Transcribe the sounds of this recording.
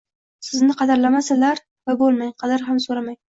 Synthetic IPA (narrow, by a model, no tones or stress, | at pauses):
sɪznɪqʰɑd̪aɾlamasɪzlaɾ | vabolˠmajqʰɑd̪aɾɦamsoɾamaj